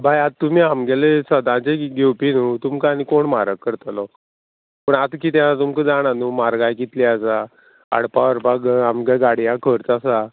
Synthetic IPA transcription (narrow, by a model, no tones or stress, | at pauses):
bʱajat̪ːum̤iːamɡelesəd̪ãt͡ɕeɡewpinut̪umkaanikoɳmaɾəkːəɾt̪alɔ | pəɳat̪kiːt̪̬ãat̪umkəd͡zaɽanumaɾɡajkit̪liasa | a̰ɽpaəɾpaɡamɡaɡaɽijãkʰəɾt͡sasa